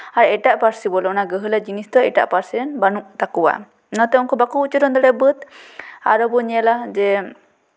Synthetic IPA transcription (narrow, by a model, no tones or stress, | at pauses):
aɾɛʈaʔpaɾsibɔlɔnaɡəɦəlad͡ʒinist̪ɔɛʈa̰ʔpaɾsɛɛnbanuʔt̪akuwa̰ | nɔt̪ɛɔnkɔbakuut͡ʃɔɾɔnd̪ɔɽɛbət̪a̰ɾɔbɔɲɛlad͡ʒɛ